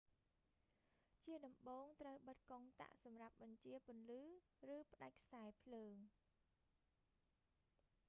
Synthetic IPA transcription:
t͡ɕiəɗɑmɓoːŋt̪rəwɓət̪̚koŋt̪a̰ʔsɑmrap̚ɓɑɲt͡ɕiəpʊ̆ənlɨː | rɨːpə̆ɗac̚kʰsaɛpʰləːŋ

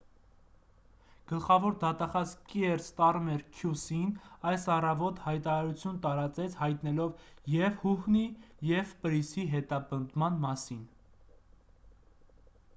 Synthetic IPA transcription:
ɡ̥əlχɑvɔɾd̪ɑt̪ɑχɑzkiɛɾst̪ɑrmɛɾkʰjusinɑjsɑrɑvɔt̪hɑjt̪ɑɾɑɾut͡sʰjunt̪ɑɾɑt͡sɛt͡sʰhɑjt̪nɛlɔvjɛvhuhnijɛvpəɾisiɦɛt̪ɑpənd̪mɑnmɑsin

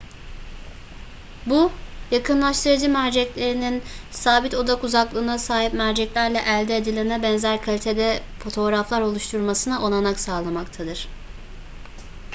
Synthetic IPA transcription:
bujakʰɯnlˠaʃt̪ʰɯɾad͡ʒɯmæɾd͡ʒɛclʲe̞ɾininsaːbit̪ʰo̞d̪akuzaklˠɯːnasaːɦipmæɾd͡ʒɛclʲæɾlʲɛʔælʲd̪ɛed̪ilʲeɾinɛbɛnzæɾkʰalʲit̪ʰe̞d̪ɛfo̞t̪ʰo̞ɾaflˠaɾo̞lˠuʃt̪ʰuɾmasɯnaʔo̞lˠanaksaːlˠamakt̪ʰad̪ɯɾ̥

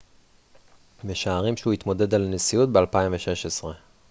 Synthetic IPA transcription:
meʃaːʁimʃehuit̪mo̞de̞d̪alnesijut̪̚bealpaimveʃe̞ʃesʁe̞

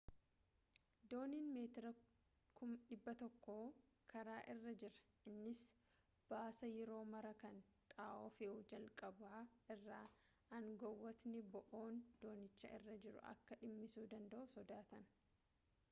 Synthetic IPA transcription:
d̪o̞ːniːnmeːt̪ɪɾɐ | kʰʊmᶑɪbːɐt̪ɔkːoː | kʰɐɾaːʔɪrːɐd͡ʒɪɾɐ̥ | ɪnːɪs | b̥aːsɐjɛɾo̞ːmɐɾɐkɐnt̪ʼaːʔɔfeːʊd͡ʒɐlkʼɐbaːɪrːaː | ɐŋɡɔwːɔt̪nɪbɔʔoːnd̪̥o̞ːnɪt͡ʃːɐʔɪ̰rːɐd͡ʒɪɾʊ̰ʔɐ̰kːɐᶑɪmːɪsuːd̪ɐnd̪ɐʔʊsɔd̪aːt̪ɐn

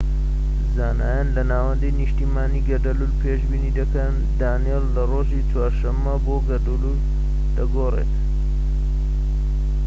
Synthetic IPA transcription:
zaːna̰ːjanlɐnaːwɐnd̪əjniʃt̪iːmaːniːɡɐd̪ɐlulpʰeːʒbiːnid̪ɐkɐn | d̪aːnijelːɐroːʒit͡swaːɾʃɐmːɐboɡɐd̪ulul | d̪̥ɐɡoːrḛt̪

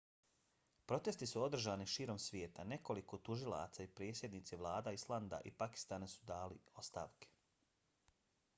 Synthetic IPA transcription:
pɾo̞t̪e̞st̪isuo̞d̪r̩ʒaːniʃiːɾo̞msʋjeːt̪ane̞ko̞likot̪uʒilˠa̰t̪saipɾeːsjed̪niːt̪siʋlˠaːd̪aislˠand̪a̰ʔipaki̥st̪aːnesu̥d̪aːlio̞st̪a̰ːʋke̥

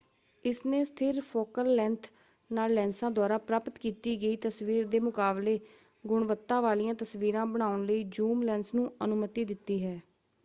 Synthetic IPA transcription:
ɪsneːst̪ʰɪɾpʰoːkəlːɛ̃ːnt̪ʰ | naːlːɛ̃ːnsãːd̪waːɾaːpɾaːpət̪kiːt̪iːɡəiːt̪əsʋiːɾd̪eːmʊkaːbleː | ɡʊɳʋət̪ːãːʋaːlijãːt̪əsʋiːɾãːbəɽ̃aːʊɳləiːd͡ʒuːmlɛ̃ːnsnũːənʊmət̪iːd̪ɪt̪ːiːɦɛː

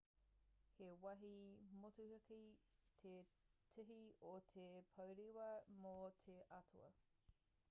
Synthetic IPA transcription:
hewɐɦimotuhɐkitʰetʰɨɦiotʰepʰɐwɾiwɐmotʰeʔɐtʰuɐ̰

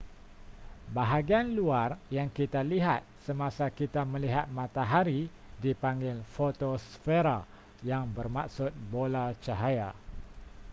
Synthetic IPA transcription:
baɦaɡianluarjaŋkit̪aliɦat̪̚səmasakit̪amə̃liɦat̪̚mãt̪aɦaɾi | dipaŋɡɪlfot̪osfeɾa | jaŋbərmak̚sʊt̪̚bolat͡ʃaɦaja

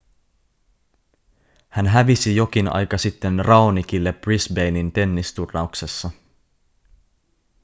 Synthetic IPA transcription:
hænɦæʋisijo̞k̟inɑ̰jkɑsit̪ːe̞nrɑonik̟ilːe̞b̥risbe̞jnint̪e̞nːist̪urːɑuksesːɑ

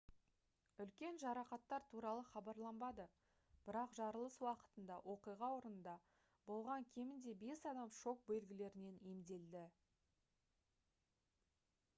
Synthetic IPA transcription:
ʏlkʲe̞nʒɑɾɑqɑt̪ːɑɾt̪ʰuɾɑlˠəχɑbɑɾlˠɑmbɑd̪ə | b̥ɪɾɑqʒɑɾəlˠəswɑqə̥t̪ənd̪ɑwʔo̞qijʁɑwo̞ɾənənd̪ɑ | bo̞lˠʁɑŋkʲʰe̞mɪnd̪e̞be̞sɑd̪ɑmʃo̞k̚be̞lɡʲɪle̞ɾɪne̞ne̞md̪e̞ld̪ɪ

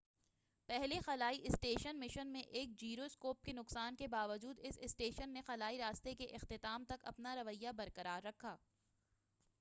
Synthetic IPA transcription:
pɛɦlexɐlaːiʔɪsʈeːʃənmɪʃənmẽʔeːk̚d͡ʒiːɾoskoːp̚kenʊqsaːnkebaːʋəd͡ʒuːd̪ɪsɪsʈeːʃənːexɐlaːiɾaːst̪ekeʔɪxt̪ɪt̪aːmt̪ɐkɐ̰pnaɾɐʋəjːabɐɾkɐɾaːɾːɐkʰaː

